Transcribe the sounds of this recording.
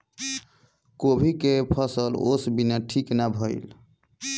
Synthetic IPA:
kobʱikepʰəsəlo̰sbinaʈʰiknabʱəɪl

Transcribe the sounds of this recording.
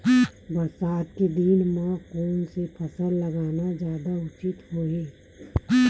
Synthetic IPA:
bəɾsaːt̪̚ked̪inmãkoːnsepʰəsəlləɡaːnad͡ʒjaːd̪aʊt͡ʃɪt̪ɦoːẽː

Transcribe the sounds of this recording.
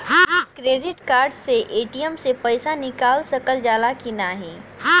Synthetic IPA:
kɾeːɖɪʈkaːɾɖseʔeːʈijəmsepɐɪsanɪkaːlsɐkəld͡ʒaːlakinaɦɛː

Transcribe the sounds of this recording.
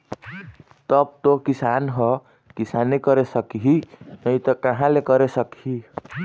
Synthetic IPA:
t̪ʌb̚t̪okisanɦʌ | kisanːekʌɾesʌkɦinʌjt̪ʌkʌɦãlekʌɾesʌkɦi

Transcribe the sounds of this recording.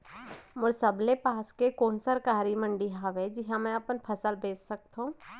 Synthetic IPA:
mʊɾsəblepaːskekoːnsəɾkaːɾimə̃ɳɖiɦaːʋed͡ʒɪɦãmɛ̃ɐpənpʰɐsəlbeːssɐk̚t̪ɦũː

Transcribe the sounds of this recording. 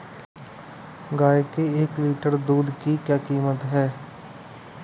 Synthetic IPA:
ɡaːekeeːkliːʈəɾd̪uːd̪kikjaːkiːmət̪ɦɛː

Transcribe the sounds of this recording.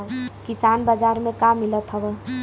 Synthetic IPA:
kisanbəd͡ʒaɾmẽkamilət̪ɦəbɛ

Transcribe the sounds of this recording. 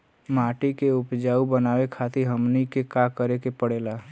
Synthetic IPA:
maːʈikeʊpd͡ʒaːubənaːwekʰaːt̪iɦəmnikekakəɾekepəɽeːlaː

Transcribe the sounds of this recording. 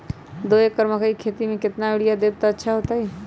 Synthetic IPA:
d̪oekːəɾməkəikʰet̪imẽket̪naeɽijad̪eb̚t̪ɔətːʃʰaɦot̪aɦi

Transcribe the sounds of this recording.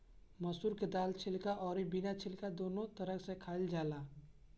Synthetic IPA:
mɐsuːɾked̪aːlt͡ʃʰɪlkaʔɔːɾibinat͡ʃʰɪlkad̪oːnõt̪ɐɾəksekʰaːɪld͡ʒaːlaː

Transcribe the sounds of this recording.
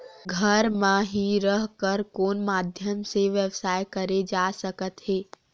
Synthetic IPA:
ɡʱəɾmãɦiɾəɦkəɾkoːnmaːd̪ʱjəmseʋjəʋsaːjkɐɾed͡ʒaːsəkət̪ɦeː

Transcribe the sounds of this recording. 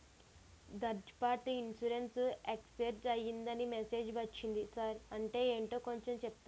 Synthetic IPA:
d̪ɐɾd͡ʒpaːʈiinsuɾensekseɾd͡ʒɐjːind̪ɐnimese̞ːd͡ʒbɐt͡ʃːind̪isaɾɐɳʈe̞ːeːɳʈo̞ːko̞ɲt͡ʃemt͡ʃɛp̚t̪a

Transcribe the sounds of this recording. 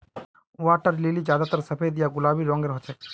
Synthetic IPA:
waʈəɾlilid͡ʒaːd̪at̪əɾsəpʰejd̪ijaɡʊlaːbiɾɔ̃ŋɡeɾɦɔt͡ʃʰe

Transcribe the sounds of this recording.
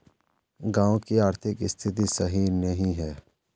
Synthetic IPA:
ɡãːwokiaːɾt̪ʰɪkɪst̪ʰɪt̪̬isɐɦinɐɦĩɦɛː

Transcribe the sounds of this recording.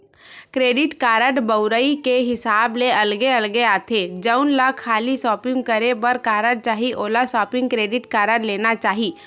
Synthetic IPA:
kɾeːɖɪʈkaːɾəʈbəʊɾəikeɦɪsaːbleɐlɡeɐlɡeaːt̪ʰed͡ʒəʊnlakʰːaːlisɔːpɪ̃ŋɡkɐɾebəɾkaːɾəɽ̚t͡ʃaːɦiʔoːlasɔːpɪ̃ŋɡ̚kɾeːɖɪʈkaːɾəɽleːnat͡ʃaːɦiː

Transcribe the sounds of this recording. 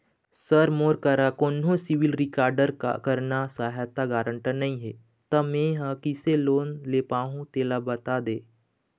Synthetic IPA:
səɾmoːɾkəɾakoːnɦõsɪʋɪlɾɪkaːɾɖəɾka̰kəɾnasaːɦat̪aɡaːɾə̃ɳʈənɐĩɦɛ | t̪ɐmẽɦakiseloːnleːpaːɦũt̪eːlabɐt̪ad̪eː

